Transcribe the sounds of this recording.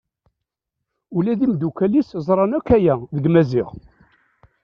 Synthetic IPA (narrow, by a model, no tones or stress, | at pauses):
ulæðimd̪ukæliszˤɾˤɑnækːæjæðəɡmæzḭʁ